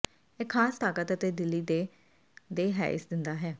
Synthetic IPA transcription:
ekʰːaːst̪ʰaːkət̪ət̪eːd̪ɪlːiːd̪e | d̪eːɦɛ̰ːɪ̰sd̪ɪnd̪aːɦɛː

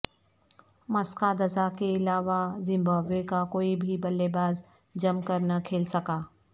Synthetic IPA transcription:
mɐskad̪ɐzakeɪlaːʋazɪ̃mbaːbekakoːibʱibɐlːebaːz | d͡ʒɐmkɐɾnɐkʰeːlsɐkaː

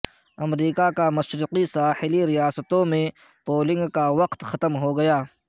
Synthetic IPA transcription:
ɐmɾiːkakamɐʃɾuqisaːhɪliɾijaːsət̪õmẽ | poːlɪ̃ŋɡkaʋɐqt̪xɐt̪əmɦoɡɐjaː

